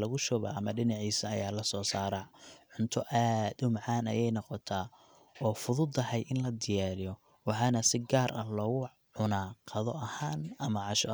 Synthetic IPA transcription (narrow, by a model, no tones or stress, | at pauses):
lɐɣʊʃɔβa̰ɐmɐɖɪnɑʕiːsɐːjaːlɐsɔːsaːɾaʕʊnt̪ʰɔʔaːd̪ʊmʕɑːnɐ̰jɛjnɔqɔt̪ʰaː | ɔːfʊðʊd̪ɐɦɛjʔɪnlɐd̪ɪjaːɾɪjɔ | wɑħɑːnɐsɪɡaːɾʔɐlɔːɣʊ | ʕʊnaːqɑðɔʔɐhaːnɐmɐʕɑʃɔ